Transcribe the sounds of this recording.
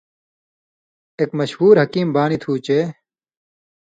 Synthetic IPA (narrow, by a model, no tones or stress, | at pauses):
ekmɐɕhuːɾɦɐkiːmbaːnit̪ʰuːt͡ɕeː